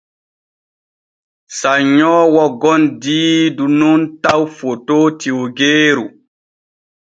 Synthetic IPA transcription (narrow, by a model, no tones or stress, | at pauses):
saɲɔːwɔɡɔndiːdununtawfotoːtiwɡeːɾu